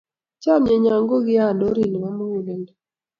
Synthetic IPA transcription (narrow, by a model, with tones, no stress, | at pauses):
t͡ʃa˦mje˨ɲa˨ŋɡo˦ɡɪ˦a˦˨do˦ɾi˦˨n˨wa˦m˦u˨lɛ˨nd